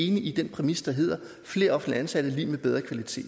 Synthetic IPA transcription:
e̝ːniʔid̥enpʰʁɛmisə̥d̥ɑ̈ɦe̝̰ð̰ˠɐ | fle̝̰ːɐɒ̽fn̩̥liænsæɾ̥əlḭːmeb̥eð̞ˠʁɐkʰʋælit͡sʰe̝̰ːd̥

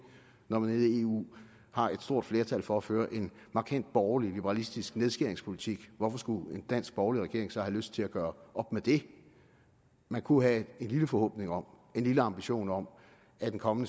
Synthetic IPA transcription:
nɒmæneðˠie̝ṵː | hɑ̈ʔe̝d̥sd̥o̝ɐ̰d̥fle̝ɐt͡sʰælfɒ̽æføːɐʔe̝n | mɑ̈kʰæn̰d̥̚b̥ɒʊlilib̥əʁɑ̈lisd̥isɡ̥neð̞ˠsɡ̥eɐe̝ŋspʰo̝lit͡sʰiɡ̥ʋɒfɒ̽sɡ̥ue̝nd̥æn̰sɡ̥̚b̥ɒʊliʁɛɡ̥e̝ɐ̰eŋsɒ̽hæløsd̥̚t͡sʰe̝læɡ̥ɶːɐʔɒ̽b̥med̥e̝ | mænkʰuɦæe̝nliləfɒ̽hɔ̰̽ːb̥ne̝ŋɒ̽m̰ | e̝nliləɑ̈mb̥iɕo̝̰ːnɒ̽m | æd̥enkʰɒ̽mənə

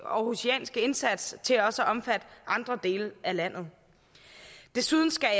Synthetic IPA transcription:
ɒhusiɛ̰ːnsɡ̥əe̝nsæd̥st͡sʰe̝læɒ̽səʔɒ̽mfæd̥ɑ̈nd̥ʁɐd̥e̝̰ːləælæn̰ð̞̩ˠ | d̥e̝suð̞ˠn̩sɡ̥æ

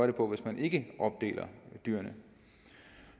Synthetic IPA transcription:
ɐɾ̥epʰɒ̽ʋe̝smænʔe̝ɡ̥əʔɒ̽b̥̚d̥e̝̰ːlɐd̥yːɐnə

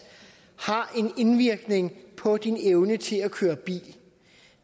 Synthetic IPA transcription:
hɑ̈ʔe̝ne̝nʋiɐɡ̥ne̝ŋpʰɒ̽d̥ineʊnət͡sʰe̝lækʰøːɐb̥ḭːl

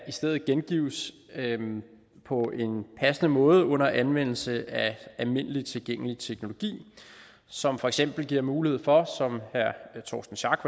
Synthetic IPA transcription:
isd̥eðð̩ˠɡ̥enɡ̥ḭːʊ̰s | pʰɒ̽ʔe̝npʰæsənəmɔ̽ːð̞ˠəɔ̽n̰ɐʔænʋen̰l̩səæælme̝n̰əlit͡sʰe̝lɡ̥eŋ̰əlit͡sʰeɡ̥no̝lo̝ɡ̥ḭː | sɒ̽mfɒ̽eɡ̥sem̰b̥l̩ɡ̥iɐ̰muːlihe̝ð̞̰ˠfɒ̽sɒ̽mhæɐt͡sʰɒːsd̥n̩ɕɑ̈ɡ̥

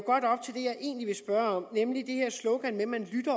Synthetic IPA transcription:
ɡ̥ɒ̽d̥ɒ̽b̥̚t͡sʰe̝ld̥e̝jɑ̈ɪʔe̝̰ːnliʋe̝sb̥ɶɐɒ̽m̰nemlid̥e̝heɐ̰slɔʊɡ̥ænmemænlyd̥ɐ

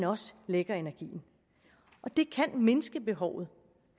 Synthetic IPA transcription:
nɒ̽sleɡ̥ɐe̝næɐɡ̥ḭːn̩ | ʔɒ̽d̥e̝kʰænme̝nəsɡ̥əb̥e̝ɦɒʊ̰ð̞̩ˠ

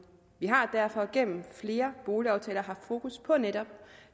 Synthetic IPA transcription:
ʋiɦɑ̈d̥æɐ̰fɒ̽ɡ̥en̰m̩fle̝ːɐb̥o̝ːliɑ̈ʊt͡sʰɛ̰ːlɐɦɑ̥̈fo̝ːkʰuspʰɒ̽neɾ̥ɒ̽b̥̚

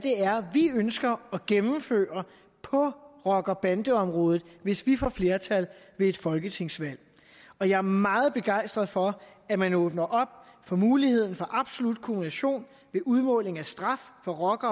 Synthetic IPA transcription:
d̥e̝æɐʋiønsɡ̥ɐɒ̽ɡ̥emm̩fø̰ːɐ | pʰɒ̽ʁɒ̽ɡ̥ɐb̥ænd̥əɒ̽mʁɔ̽ːð̩ˠʋe̝sʋifɒ̰fle̝ɐt͡sʰælʋe̝e̝d̥fɒ̽lɡ̥ət͡sʰe̝ŋ̰sʋæl̰ | ɒ̽jɑ̈æɐmɑ̈ːð̞̩ˠb̥e̝ɡ̥ɑ̈ɪ̰sd̥ʁɐð̩ˠfɒ̽æmænɔːb̥nɐʔɒ̽b̥̚fɒ̽muːlihe̝ð̞̰ˠn̩fɒ̽ʔɑ̈b̥so̝lud̥̚kʰominæɕo̝̰ːn | ʋe̝ʔuð̞ˠmɔ̰̽ːle̝ŋæsd̥ʁɑ̈ffɒ̽ʁɒ̽ɡ̥ɐ

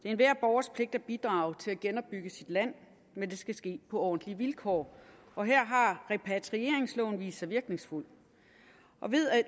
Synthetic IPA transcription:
d̥eæɐenʋæɐ̰b̥ɒʊɐspʰle̝ɡ̥̚d̥æb̥id̥ʁɑ̈ːʊt͡sʰe̝læɡ̥enɒ̽b̥ːyɡ̥əsid̥læn̰ | mend̥e̝sɡ̥æsɡ̥e̝̰ːpʰɒ̽ɒ̰ːn̩d̥liʋilkʰɒ̰ː | ɒ̽ɦeɐ̰ɦɑ̈ʁɛpʰæt͡sʰʁie̝ɐeŋslɔʊn̩ʋḭ̥ːsːɑɪʋiɐɡ̥ne̝ŋsful̰ | ʔɒ̽ʋe̝ð̰ˠ

